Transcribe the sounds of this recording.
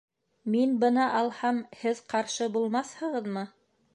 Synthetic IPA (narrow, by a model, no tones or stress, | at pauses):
minbɤnɑʔɑlˠhɑmhɘðqɑɾʃɤbulˠmɑθhɤ̆ʁɤ̆ðmɤ